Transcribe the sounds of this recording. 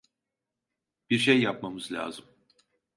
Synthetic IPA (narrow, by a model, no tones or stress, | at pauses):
b̥iɾʃejːap̚mamɯzlʲa̰ːzɯm